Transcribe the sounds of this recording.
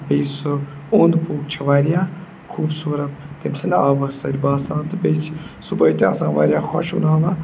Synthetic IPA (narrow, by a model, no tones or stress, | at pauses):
bejsɨond̪puːk̚t͡ʃʰɐʋaːɾijaː | kʰuːbsuːɾɐt̪̚t̪emsina̰ːʋɐsɐɾʲbaːsãːnt̪ɨbet͡ʃʰsubɐjit̪ʲa̰ːsãːnʋa̰ːɾʲjaːxɔ̰ʃṵnaːʋɐ